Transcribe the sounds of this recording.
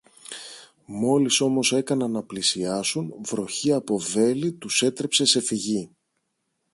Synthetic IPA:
mo̞liso̞mo̞se̞kɐnɐnːɐplisiɐsunvɾo̞çiɐpo̞ve̞lit̪use̞t̪ɾe̞pse̞se̞fiʝi

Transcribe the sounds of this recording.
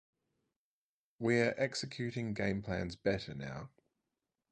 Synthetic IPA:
wiəɹʔɛksɪkʰj̥ʉˑtɪ̃ŋɡɛ̃ɪ̃mpʰl̥æ̰̃nzbɛtəna̰ʊ

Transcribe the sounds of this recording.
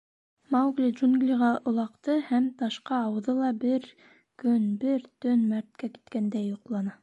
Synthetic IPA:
mɑwɡlʲiʒunɡlʲiʁɑʔŏlˠɑqt̪ɤhæmt̪ɑʃqɑːwɤ̆ðɤlˠɑbɘɾ | kɵnbɘɾt̪ɵnmæɾt̪̚kæki̥t̪kænd̪æjːoqlˠɑnɑ

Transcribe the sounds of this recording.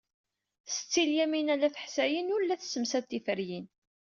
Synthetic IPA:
st͡sːiljæminælæθə̥ħsæjənʊɾlːæθsəmsæt̪ːifəɾjin

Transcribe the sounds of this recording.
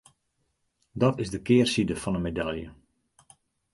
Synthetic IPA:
dɔtɪzdəkɪːərsidəfɔnənmedaljə̰

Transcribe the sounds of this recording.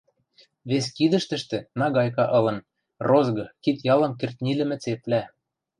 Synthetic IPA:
βeskid̪ə̆ʃt̪ə̆ʃt̪ĕnɑɣɑjkɑʔɤ̆lɤ̆n | rozɡɤ̆kit̪jɑlɤ̆mkert̪ʲnʲilɘ̆mɘ̆t͡seplæ

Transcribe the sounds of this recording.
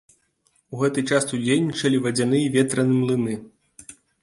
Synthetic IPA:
uɣɛt̪ɨt͡ʂasud͡zʲejʲnʲːit͡ʂɐlʲivɐd͡zʲanɨjivʲɛt̪ɾɐnɨmlˠɨnɨ

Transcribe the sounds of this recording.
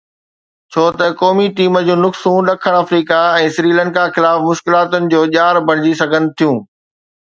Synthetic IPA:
t͡ɕʰoːt̪ɐkɔːmiʈiːməd͡ʑoːnʊksũːɗɐkʰəɽ̃ɐfɾiːkaɛ̃ːsɾiːlə̃nkaxɪlaːfmʊʃkɪlaːt̪ʊnɪ̆d͡ʑoːʄaːɾbɐɽ̃ɪd͡ʑisɐɡʱənɪ̆t̪ʰijũː

